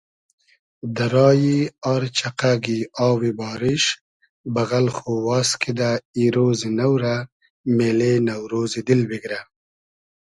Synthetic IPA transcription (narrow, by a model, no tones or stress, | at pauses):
d̪aɾɑːjiaɾt͡ʃaqaɡiɑːwibɑːɾɪʃ | baɣalxowɑːskʰid̪aiɾozinawɾa | meːlenawɾoːzid̪ɪlbiɡɾa